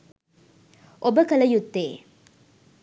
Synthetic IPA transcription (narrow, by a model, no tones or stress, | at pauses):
ʔobəkɐlɐjut̪ːeː